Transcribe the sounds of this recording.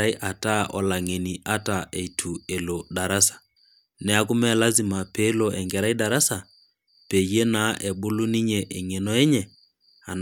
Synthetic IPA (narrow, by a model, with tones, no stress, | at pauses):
a˦i˦ʔa˨ta˦ʔɔ̰˨la˨ŋe˨ni˨ʔa˦ta˨e˨i˨tʰu˨e˨lo˨da˨ɾa˦sḁ˨ | nɛ˨˦a˦kʊ˦mɛ˦la˦zi˨ma˨pe˦lo˨ʔɛ˨ŋɡɛ˨ɾa˦i˦da˨ɾa˦sa˨ | pe˨je˦na˨˦ʔe˨bʊ˦lu˦ni˦ɲe˨ʔe˨ŋe˨no˦ɛ˦ɲɛ˨ | a̰˨n